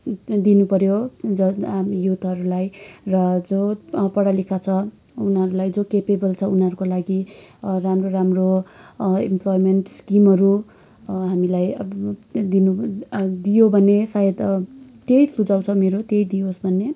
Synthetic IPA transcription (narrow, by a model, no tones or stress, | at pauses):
d̪inupʌɾjod͡zʌjut̪ʰʌɾulajrʌd͡zopʌɽalikʰat͡sʰʌ | unʌɾulajd͡zokepebʌlt͡sʰʌunɦʌɾukolaɡiramroɾamro | ḭmplojmenʈskimʌɾu | ɦamilaj | d̪inud̪ijobʱʌnesajed̪t̪ejsʰud͡zaw̃t͡sʰʌmeɾot̪ejd̪iosbʱʌnːe